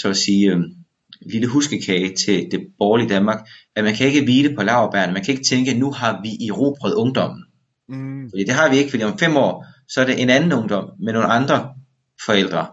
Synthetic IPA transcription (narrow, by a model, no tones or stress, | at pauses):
sɒ̽ɒsiːø | liləɦusɡ̥əkʰɛːɪt͡sʰe̝d̥e̝b̥ɒːlid̥ænmɑ̈ːɡ̥ | æmænkʰæe̝ɡ̥əʋiːd̥əpʰɒ̽lɑ̈ʊɐb̥æɐ̰nmænkʰæe̝ɡ̥ət͡sʰeŋɡ̥ənuɑ̈ʋiʔiʁo̝̰ːb̥ʁœð̩ˠɔ̽ŋd̥ɒ̽m̰n̩ | fɒd̥ḭːd̥e̝ɦɑ̈ʋie̝ɡ̥əfd̥ḭːɒ̽mfem̰ɒ̰ː | sɒ̽æɐɾeʔe̝nænn̩ɔ̽ŋd̥ɒ̽m̰meno̝ːnɑ̈nd̥ʁɐ | fɒ̽el̰d̥ʁɐ